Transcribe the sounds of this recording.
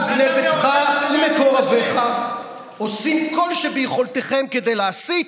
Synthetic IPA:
ɡnebet̪χalemekoʁaveχa | o̞simko̞lʃebejeχolt̪eχe̞mke̞d̪e̞jleasit

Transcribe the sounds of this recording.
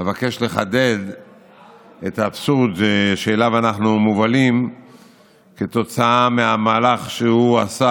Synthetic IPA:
evake̞ʃle̞χade̞d̪ | et̪apsuʁd̪ʃeʃeːlavanaχnumuvalim | ke̞t̪o̞t͡saameamaːlaχʃeuasa

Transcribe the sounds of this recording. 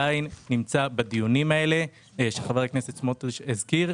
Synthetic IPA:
ainːimt͡sabad̪ijunimae̞le̞ | ʃeχavaeknesetsmot̪ʃezkiʁ

